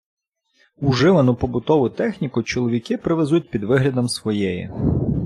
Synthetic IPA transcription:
ʊʒɪʋɐnʊpɔbʊt̪ɔʋʊt̪ɛxnʲikʊt͡ʃɔlˠɔʋʲikɪpɾeʋezut̚ʲpʲid̪ʋɪɦlʲɐd̪ɔmsʋɔjɛjḭ

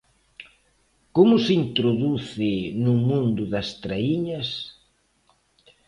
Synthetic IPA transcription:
komʊsint̪ɾoðuθɪnʊmũnd̪ʊðɐst̪ɾaiɲɐs

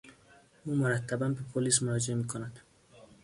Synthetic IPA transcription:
uːmoɾat̪ʰːabanbepʰolis̬moɾɑːd͡ʒeemiːkʰonad̪̥

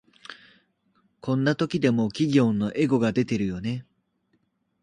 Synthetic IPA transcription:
kʰõ̞nːat̪o̞kʲid̪e̞mo̞kʲiɡʲo̞ːnːo̞ʔe̞ɡo̞ɡad̪e̞t̪e̞ɾɯ̟jo̞ne̞

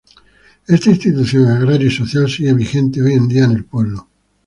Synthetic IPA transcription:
est̪aĩnst̪it̪uθjoŋaɣɾaɾjoisoθjalsiɣeβixe̞nt̪eoje̞nd̪iane̞lpwe̞βlo

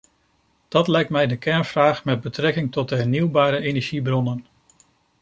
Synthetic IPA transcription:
d̥ɑtlɛjk̚tmɛjdəkɛɹnvraːχmɛd̚bətrɛkɪŋtɔt̚dəɦɛɹniwbaːɾəejnɛɹʒibrɔnən

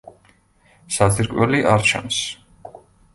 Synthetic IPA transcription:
saziɾkʼwɛliʔaɾt͡ʃʰa̰ms

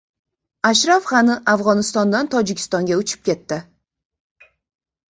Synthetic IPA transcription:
aʃɾafχɑnɪʔavʁɒnɪst̪ɒnd̪ant̪ʰɒd͡ʒɪkʲʰɪ̥st̪ɒŋɡʲaʊt͡ʃʰɪ̥p̚kʲe̞t̪ːɪ

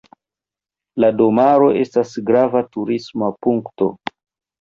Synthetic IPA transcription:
lado̞maɾo̞ʔe̞stasɡɾavatuɾismapuŋkto̞̰

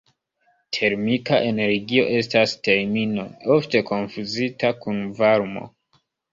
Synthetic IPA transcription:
tʰe̞ɾmikaʔe̞ne̞ɾɡio̞̰ʔe̞staste̞ɾmino̞̰o̞fte̞kʰo̞nfuzitakunvaɾmo̞̰

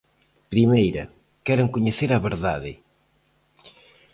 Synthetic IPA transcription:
pɾimejɾɐ | kɛɾaŋkoɲeθeɾɐβeɾðaðɪ

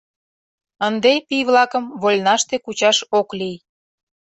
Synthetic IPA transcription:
ənd̪epijβlɑkəmβolʲnɑʃt̪ekut͡ɕɑʃoklij

